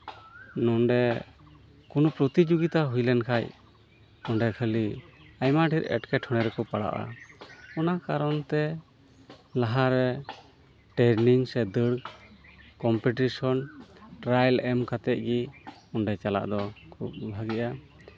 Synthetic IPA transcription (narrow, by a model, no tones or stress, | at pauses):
nɔnɖɛ | kunupɾɔt̪id͡ʒuɡit̪aɦujlɛnkʰaj | ɔnɖɛkʰəliajmaɖʱiɾɛ̰ʈkɛʈʰɔɽ̃ɛɾɛkɔpaɽa̰ʔa̰ɔnakaɾɔnt̪ɛ | laɦaɾɛ | ʈɛɾniŋsɛd̪əɽ | kɔmpiʈisɔnʈɾajlɛmkat̪ɛʔ̪̚ˀɡiɔnɖɛt͡ʃala̰ʔd̪ɔkʰub̚bʱaɡɛʔa